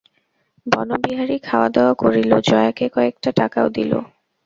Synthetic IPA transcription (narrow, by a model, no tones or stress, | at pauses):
bɔnobiɦaɾikʰaoad̪eoakoɾilod͡ʑɔeakekɔek̚ʈaʈakaod̪ilo̰